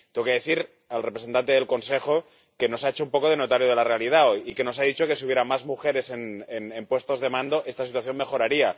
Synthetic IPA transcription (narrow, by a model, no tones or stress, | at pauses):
t̪eokeðeθiɾ | alrepɾeent̪ant̪eðelko̞nse̞xo̞ | ke̞no̞saet͡ʃoumpo̞ko̞ð̞e̞no̞t̪aɾjoð̞e̞lare̞alið̞ao̞jike̞no̞s̬aðit͡ʃo̞kes̬iuβjeɾamazmuxe̞ɾe̞se̞nenempwe̞st̪o̞zðe̞mãnd̪oʔe̞st̪asit̪waθjo̞mme̞xo̞ɾaɾia